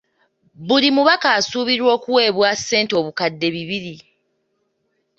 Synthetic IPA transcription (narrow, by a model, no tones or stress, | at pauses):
βulimuβakaːsuːβiɾwo̞ːkuwe̞ːβwasːe̞ːnto̞ːβukadːe̞βiβiɾi